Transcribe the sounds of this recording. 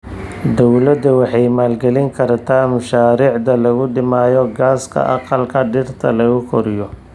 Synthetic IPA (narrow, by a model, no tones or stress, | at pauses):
d̪ɔwlɐd̪ɐwɑħɑjmaːlɡɛlɪŋkʰɐrt̪ʰaːmʊʃaːɾiːʕd̪ɐlɐɣʊɖɪmaːjɔɡaːskʰɐ̰ʔɑ̰qɑlkʰɐɖɪrt̪ʰɐlɐɣʊkʰɔɾɪjɔ